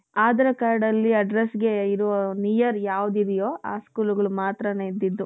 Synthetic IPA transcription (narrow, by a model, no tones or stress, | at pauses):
aːd̪ɐɾɐkaːɾɖɐlːiɐɖɾesɡe̞iɾuʋɐnijɐɾjaːʋud̪id̪ɛjo̞ːʔa̰ːskuːluɡɐɭumaːt̪ɾɐneːid̪ːid̪ːu